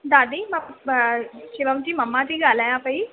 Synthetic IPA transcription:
d̪ad̪iːmə | ɕiʋə̃mt͡ɕiːməmːat̪iːɡʱalajapəi

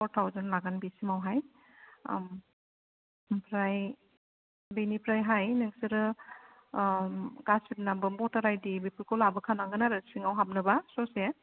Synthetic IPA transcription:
pʰɔɾtʰawzanlaɡanbisimawɦaj̰ | pʰɾaj | benipɾajɦajnɯŋsiɾɯ | ɡasut̚nabɯbɔtaɾajdibipʰɯlkʰɔlabɯkʰanaŋɡɯnaɾɯsiŋawɦap̚nɯbasɔse

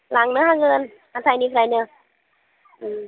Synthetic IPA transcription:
laŋnɯɦakɤːn | hat̪ʰaniːpʰɾajnɯə | ʔɯː

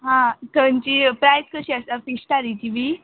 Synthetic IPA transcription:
ɦãt̪ənt͡ɕipɾajt̪kəɕiast̪afiɕʈ̪aɾit͡ɕiʋi

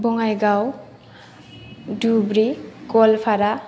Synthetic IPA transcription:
bɔŋajɡaw | dubɾikɔlpʰaɾa

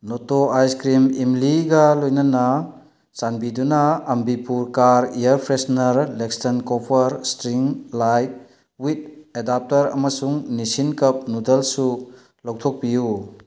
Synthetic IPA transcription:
notoajskɾimimliɡɐlojnɐnɐ | t͡ʃanbidunɐːmbipuɾkaɾijɐɾpʰɾesnɐɾlekstɐnkɔpʰɐɾstɾiŋlajt̚ | wit̚edap̚tɐɾɐ̰mɐsuŋnisinkɐp̚nudɐlsu | lawtʰok̚piju

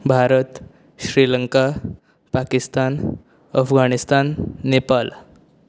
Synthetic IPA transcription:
bʱaɾət̪ | ɕɾiləŋka | pakist̪an | əfɡanist̪anːepal

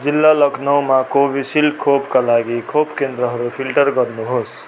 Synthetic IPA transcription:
d͡ʒilːaləkʰnaʊmakobiɖsilkʰopkalaɡikʰopkend̪ɾəɦəɾupʰilʈəɾɡʌɾnuɦos

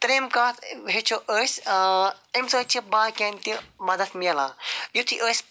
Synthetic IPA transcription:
t̪ɾemkaːt̪ʰɦet͡ʃʰoʔəːsʲ | emsəːt͡ʃʰibaːkʲɛːnt̪imɐd̪ɐt̪ʰmiɐlaːjut̪ʰiʔəːsʲ

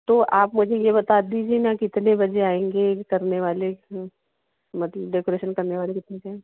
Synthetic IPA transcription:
t̪oʔaːpmʊd͡ʒʱejebɐt̪ad̪id͡ʒʱenakɪt̪nebɐd͡ʒeaːẽːŋɡekɐɾneʋaːle | mɐt̪ləbɖeːkoɾeːʃənkɐɾneʋaːlekɪt̪nẽkẽ

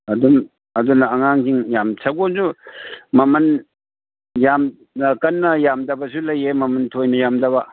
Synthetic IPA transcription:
ɐdun | ɐdunɐɐŋaŋkiŋjamsʰɐɡonsumɐmɐn | jam | kɐnːɐjamdɐbɐsulɐjemɐmɐntʰojnɐjamdɐβɐ

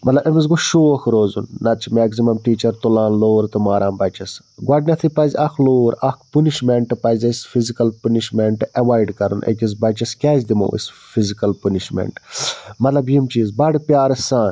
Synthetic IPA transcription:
mɐt̪lɐbɐmiz̬ɡuʃoːkɾoːzunːɐt͡ʃʰimeːɡzimɐmʈiːt͡ʃɐɾt̪ulaːnloːɾt̪ɨmaːɾaːmbɐt͡ʃɐs | ɡwɐɖnʲɐt̪ʰipɐzʲɐkʰloːɾɐkʰpuniʃmeɳʈpɐzʲɐsfʰizikɐlpəniʃmeɳʈɐʋaːjɖkɐɾṵnʔḛkʲis̬bɐt͡ʃɐskʲɛːzd̪imo̰ːʔḭsfizikɐlpɐniʃmḛɳʈmɐt̪lɐbjimt͡ʃiːzbɐɽpʲjaːɾsãːn

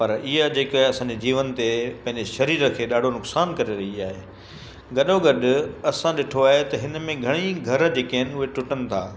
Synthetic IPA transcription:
pɐɾɪɦad͡ʑeːkɦɐsãːd͡ʑed͡ʑiːʋənt̪epɐ̃ɦɪ̃ɲd͡ʑeʃɐɾiːɾəkʰeːɗaːɖʱonʊksaːnkɐɾeɾɐɦiaːɦeː | ɡɐɗoɡɐɗʊ̆ɐsãɗɪʈʰoaːɦet̪ɐɦɪnəmẽɡʱɐɽ̃iɡʱɐɾd͡ʑeːkɐɦɪnɪ̆ʊɦeʈʊʈənɪ̆t̪ʰa̰ː

